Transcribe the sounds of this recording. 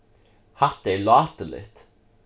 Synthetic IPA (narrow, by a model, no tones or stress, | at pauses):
hɑt̪̚d̪eɪlɑːt̪əlɪ̰t̪